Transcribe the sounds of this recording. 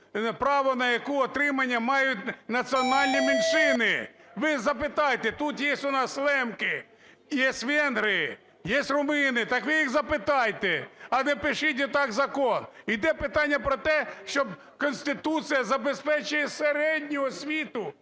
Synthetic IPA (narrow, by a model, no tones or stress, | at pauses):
pɾɑʋɔnɐjɐkuɔt̪ɾɪmɐnʲːɐmɑjʊtʲnɐt͡sʲiɔnɑlʲnʲiminʃɪnɪʋɪzɐpɪt̪ɑjt̪ɛt̪ut̪jɛsʲtʲʊnɑslˠɛmkɪ | jɛsʲtʲʋɛnɦɾɪjɪ | jɛsʲrʊmɪnɪt̪ɑkʋɪjixzɐpɪt̪ɑjt̪ɛɐlɛpɪʃɪt̬ʲɛt̪ɑkzɐkɔnid̪ɛpɪt̪ɑnʲːɐpɾɔt̪ɛʃt͡ʃɔb | kɔnʲsʲt̪ɪt̪usɨjɐzɐbespɛt͡ʃʊjɛseɾɛdʲnʲʊɔsʲʋʲit̪ʊ